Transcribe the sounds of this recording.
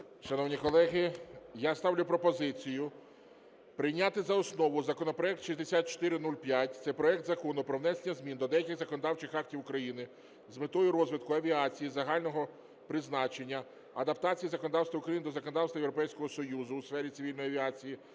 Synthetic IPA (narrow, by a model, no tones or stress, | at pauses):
ʃɐnɔwnʲikɔlˠɛɦɪjast̪ɑwlʲʊpɾɔpɔzɪt͡sʲijʊ | pɾɪjnʲːat̪ɪzɐɔsnɔʋʊzɐkɔnɔpɾɔɛk̚t̪ʃizʲd̪esʲat̪̚t͡ʃɔ̥t̪ɪɾɪnulʲpʲjatʲt̪sɛpɾɔɛk̚t̪zɐkɔnʊpɾɔwnɛsenʲɐzʲmʲind̪ɔd̪ɛjɐkʲɪɣzɐkɔnɔd̪ɑwt͡ʃɪxɑktʲiwʊkɾɐjinɪ | zmɪt̪ɔjʊɾɔzʋɪd̪̚kʊɐʋʲiat͡sʲijizɐɦɑlʲnɔɦɔ | pɾɪznɑt͡ʃe̞nʲːɐ | ɐd̪ɐpt̪ɑt͡sʲijizɐkɔnɔd̪ɑwst̪ʋɐʊukɾɐjinɪd̪ɔzɐkɔnɔd̪ɑwst̪ʋɐjewɾɔpɛjsʲkɔɦɔsɔjuzʊːsfɛɾʲit̪sɪʋʲilʲnɔjɐʋʲiat͡sʲiji